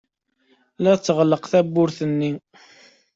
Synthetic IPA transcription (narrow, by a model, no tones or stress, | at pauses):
læt͡sːəʁəlːəqθæbːʊɾθənːi